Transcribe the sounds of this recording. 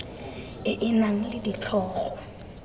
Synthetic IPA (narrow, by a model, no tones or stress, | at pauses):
ɪʔɪnaŋ̩lɪdit͡ɬʰɔːɣɔ